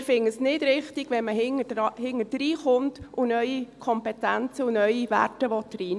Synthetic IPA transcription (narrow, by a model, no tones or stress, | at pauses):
fɪŋːəsnɪd̥ɾɪχtiɡ̥ʋɛnməɦɪŋədhɪŋəd̥ɾiːχʊntʔʊnœʏikʰɔmpɛtænt͡səʊnœʏiʋæ̰rtəʋɔtdriː